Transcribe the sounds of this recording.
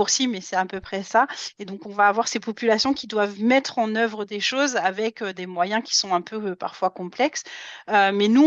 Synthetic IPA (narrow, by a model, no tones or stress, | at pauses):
uʁsimɛsɛt̪ɛ̃pøpχɛsaed̪ɔ̃kɔ̃vaːvwaʁsepɔpylasjɔ̃kʲid̪wavmɛt̪χɑ̃nœvʁəd̪eʃozavɛkød̪emwajɛ̃kʲi̥sɔ̃ɛ̃pøpaʁfwakɔ̃plɛksømɛnu